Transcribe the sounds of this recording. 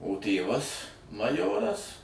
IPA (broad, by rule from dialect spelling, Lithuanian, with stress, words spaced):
oː ˈtʲeːʋɐs mɐˈjoːrɐs